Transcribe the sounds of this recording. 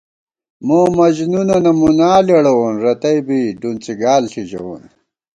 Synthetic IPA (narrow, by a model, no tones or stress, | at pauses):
moːmɐʑnunɐnɐmunaːleɽɐwonɾɐt̪ɐjbiɖunt͡siɡaːlɬʰid͡ʑɐ̰wo̰n